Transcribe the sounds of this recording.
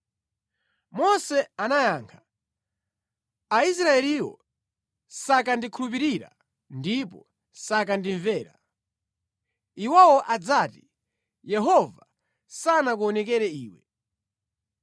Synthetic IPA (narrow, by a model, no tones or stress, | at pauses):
mɔsɛanajaːŋkʰḁ | ais̬ɾaɛliwɔ̰ | sakandikʰulup̬iɾiɾa̰ | ndipɔ | sakandiɱvɛːɾa̰ | iwawɔʔad͡zati | jɛɦɔva | sanak̬uɔnɛkɛɾɛiːwɛ